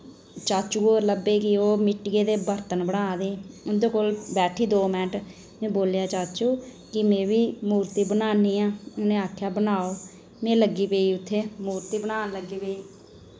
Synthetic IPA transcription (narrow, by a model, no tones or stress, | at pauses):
t͡ʃaːt͡ʃuːoːləbeːkɪoːmɪʈːɡeːd̪eːbəɾt̪ənbəɽaːd̪eːʊnd̪oːkoːlbɛːʈʰiːd̪oːmɛ̃ːʈ | mẽːboːljaːt͡ʃaːt͡ʃuː | kɪmẽːʋiːmuːɾt̪iːbənaːniːãːʊnẽːaːkʰjaːbənaːoː | mẽːləɡːiːpeːiːʊt̪ʰːeːmuːɾt̪iːbənaːnləɡːiːpeːiː